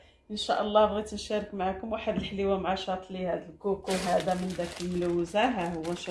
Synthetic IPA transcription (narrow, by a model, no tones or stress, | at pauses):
ʔənʃæ̰ʔəlˤːɑbɣit̪ənʃæɾˤəkmaʕakʊmwaħəd̪əlħliwamaʕaʃɑt̪ˤlihæd̪əlkukuɦæd̪æmənd̪ækəlmlæwːzaɦæhʊwːænʃ